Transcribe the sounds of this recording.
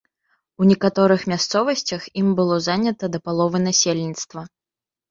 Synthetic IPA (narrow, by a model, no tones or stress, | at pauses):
unʲɛkat̪ɔɾɨxmʲast̪sɔvɐsʲt͡sʲɐximbɨlˠɔzanʲɐt̪ɐd̪ɐpalˠɔvɨnasʲelʲnʲit̪st̪vɐ